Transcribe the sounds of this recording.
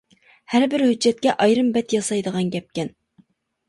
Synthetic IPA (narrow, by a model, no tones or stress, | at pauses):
hæɾbɪɾhyd͡ʒːɛt̪̚kʲɛʔɑjɾɨmbɛt̪jɑsɑjd̪əʁɑnɡʲɛp̚kʲɛn